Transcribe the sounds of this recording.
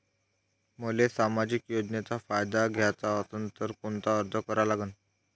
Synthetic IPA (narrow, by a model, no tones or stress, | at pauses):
məlesamad͡ʑikjod͡ʑnet͡safajd̪aɡʱjat͡saəsənt̪əɾkont̪aəɾd̪ʱəkəɾalaɡən